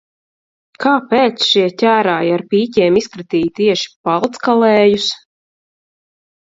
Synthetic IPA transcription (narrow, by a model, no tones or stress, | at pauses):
kaːpɛːt̪sʃiɛtʲæːɾaːjaɾpiːcɛːmiskɾit̪iːjt̪iɛʃi̥palˠt̪skalɛːjus